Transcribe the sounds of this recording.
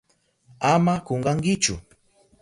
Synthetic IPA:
amakoɴɢɑŋkɪt͡ʃʊ̰

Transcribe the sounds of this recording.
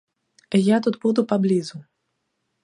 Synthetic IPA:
ijat̪ud̪bud̪upablʲizu

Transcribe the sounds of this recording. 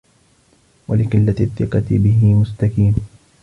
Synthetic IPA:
walɪqɪlːat̪θːɪqɑt̪bɪɦɪmʊst̪akiːn

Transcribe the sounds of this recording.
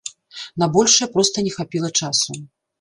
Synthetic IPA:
nabɔlʲʂɨjɛpɾɔst̪ɐnʲɛxapʲilˠɐt͡ʂasu

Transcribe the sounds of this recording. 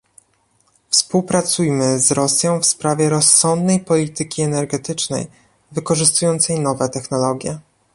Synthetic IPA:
fspuwpɾat̪sujmɘzɾɔsʲjɔ̃w̃fspɾavʲjɛɾɔsːɔnd̪nɛjpɔlʲit̪ɘkʲiɛnɛɾɡɛt̪ɘt͡ʂnɛ̰j | vɘkɔʐɘst̪ujɔnt̪sɛjnɔvɛt̪ɛxnɔlɔɡʲjɛ

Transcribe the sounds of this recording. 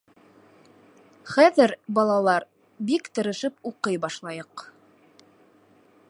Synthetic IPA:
χæðɘɾbɑlˠɑlˠɑɾ | bikt̪ɤ̆ɾɤ̆ʃɘpuqɤjbɑʃlˠɑjɤq

